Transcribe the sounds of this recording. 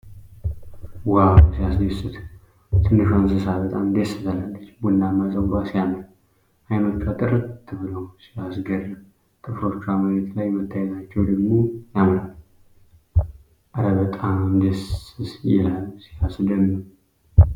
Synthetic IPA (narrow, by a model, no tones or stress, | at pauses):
wasijasd̪esɨt̪ | t̪ʰɨnːɨʃans̬ɨsaβət̪ʼamd̪esɨt̪ʰalalːət͡ʃːbunːamazʼəbasijamən | ʔajmət̪t͡ʃʰat̪ʼɨɾɨt̪ʰːɨβɨləwsijasɡəɾə | t̪ʰʼɨfɾot͡ʃaməɾet̪lajmɨt̪ʰːajɛt̪ʰat͡ʃːɛwd̪əɡmo̞jamən | ʔaɾəβət̪ʼammd̪esɨsjɛ̰lalːsijasd̪əmːɨɾ